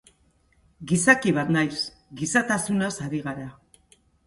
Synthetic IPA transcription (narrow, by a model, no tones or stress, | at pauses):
ɡisakiβat̪najs | ɡisat̪asunasaɾiɣaɾa